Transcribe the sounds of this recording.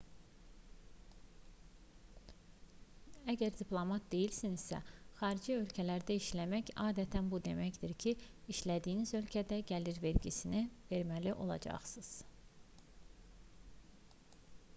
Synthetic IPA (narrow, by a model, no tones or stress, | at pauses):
æɟæɾd̪ipʰlˠo̞mɑt̪̚d̪e̞jilsiniz̥sæ̰xɑːɾid͡ʒiø̞lcʰælæɾd̪æiʃlæmæçɑːd̪æt̪ʰænbud̪e̞̰mæçd̪iɾcʰi | iʃlæd̪ijːnizø̞lcʰæd̪æɟæliɾve̞ɾɟisinive̞ɾmæliʔo̞̰lˠɑ̰d͡ʒɑ̰χsɯz̥